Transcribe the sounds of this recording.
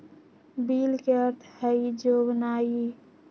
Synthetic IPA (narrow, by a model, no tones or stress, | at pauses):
biːlkeəɾt̪ʰhəid͡ʒoːɡnaːi